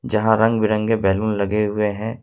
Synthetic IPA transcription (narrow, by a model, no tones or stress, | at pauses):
d͡ʒɐɦãɾɐ̃ŋɡbɪɾə̃ŋɡɡebɛːlũːnlɐɡeɦʊeɦɛ̃ː